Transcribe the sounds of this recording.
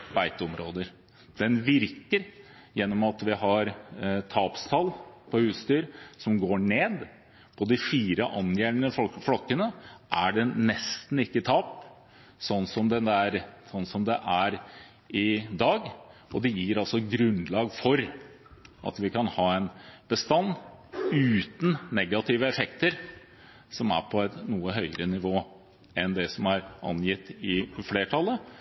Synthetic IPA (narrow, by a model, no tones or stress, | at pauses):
bæɪt̪əɔmɾoːd̪əɾ | d̪̥ɛnʋɪɾkəɾ | jɛnːɔmɑt̪ʋɪɦɑɾt̪ʰɑːpst̪ʰɑlpʰɔhʉːst̪yːɾsɔmɡoːɳeːd̪ | pʰɔd̪ɪfiːɾəʔɑnjæːɾnəflɔkːənəʔæɖɛnɛst̪n̩ɪkːət̪ʰɑːp | sɔnːsɔmd̪ɛnd̪æɾsɔnːsɔmd̪ɛʔæɾ | ʔɪd̪ɑːɡɔd̪ɛjiːɾɑlsɔɡɾʉnlɑːɡfɔɾ | ʔɑ̰t̪ʋɪkʰɑnhɑːɛnb̥əst̪ɑnːʉːt̪n̩nɛɡɑt̪ʰɪːʋəɛfɛkt̪əɾ | sɔmæ̰ɾpʰɔɛt̪nuːəɦœʏəɾənɪʋoː | ɛnd̪ɛsɔmæɾʔɑ̰njɪt̪ːɪfleːʈʰɑlːə